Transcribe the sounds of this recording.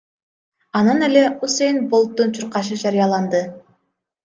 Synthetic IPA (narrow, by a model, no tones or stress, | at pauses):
ɑnɯne̞le̞usejnbolˠt̪ːunt͡ʃʰuɾqɑʃ̬ɯd͡ʒɑɾijɑlˠɑnd̪ɯ